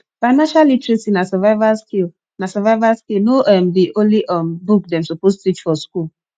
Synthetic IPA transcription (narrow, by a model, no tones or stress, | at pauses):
faɪnaʃalitɾisinasɛvaɪvaskil | nasɛvaɪvaskilnoʔɛm̩biʔoliʔɔm̩buk̚dɛm̩sopostit͡ʃfɔskul